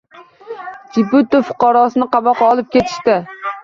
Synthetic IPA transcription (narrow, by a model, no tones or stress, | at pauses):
d͡ʒɪput̪ːɪfʊ̥qʰɑɾɒsɨnɪqʰɑbɑqɒlˠɪp̚kʲʰe̞t̪ʰɪ̥ʃt̪ɪ